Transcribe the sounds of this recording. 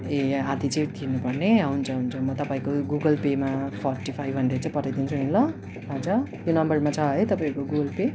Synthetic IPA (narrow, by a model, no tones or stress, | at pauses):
ead̪it͡sʌĩt̪ʰinupʌrneʌɦunt͡sʰʌɦunt͡sʰʌmʌt̪ʌpaĩkoɡuɡʌlpemapʰʌrʈipʰajɦʌɳɖet͡sʌĩpʌrajd̪int͡sʰuɦinlʌ | ʌd͡zʌt̪jonʌmbʌrmat͡sʰʌɦʌjt̪ʌpaĩɾukoɡuɡʌlpe